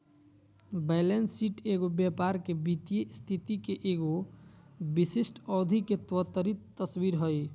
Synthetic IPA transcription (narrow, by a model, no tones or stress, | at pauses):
belensiʈeɡobjapaɾkebit̪ijest̪ʰit̪ikeʔeɡo | bisisʈʰɔd̪ʱiket̪wɔt̪əɾit̪ːəswiɾɦoj